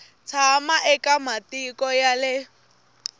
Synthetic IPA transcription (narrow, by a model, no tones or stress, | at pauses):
t͡sʰamaʔɛkʼamatikʼɔjalɪ